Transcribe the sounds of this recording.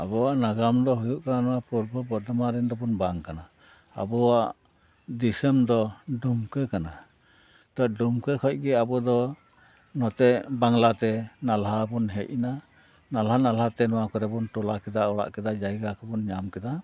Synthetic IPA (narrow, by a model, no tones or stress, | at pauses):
abɔwaʔnaɡamd̪ɔɦujuʔkananɔwapuɾbɔbɔd̪ɔmaɾɛnd̪ɔbɔnbaŋkana | a̰bɔwaʔ | d̪isəmd̪ɔɖumkəkana | t̪ɔɖumkəkʰɔc̚ˀɡɛabɔd̪ɔ | nɔt̪ɛʔbaŋlat̪ɛnalɦabɔnɦɛc̚ina | nalhanalhat̪ɛnɔwakɔɾɛbɔnt̪ɔlakɛd̪aɔɽa̰ʔkɛd̪ad͡ʒajɡakɔbɔnɲamkɛd̪a